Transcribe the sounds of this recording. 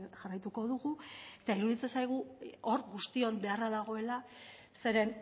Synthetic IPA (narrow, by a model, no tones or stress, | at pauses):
ʝarajt̪uko̞ð̞uɣue̞t̪aiɾuðit͡se̞nsajɣ̞uo̞ɾɣust̪io̞mbe̞araðaɣ̞o̞e̞la | se̞ɾe̞n